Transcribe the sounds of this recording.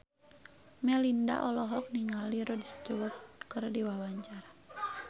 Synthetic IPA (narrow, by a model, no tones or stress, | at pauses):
mɛlinda̰ʔɔlɔɦɔk̚niŋaliɾɔdist̪uwɔt̪̚kɨrdiwawaɲt͡ʃar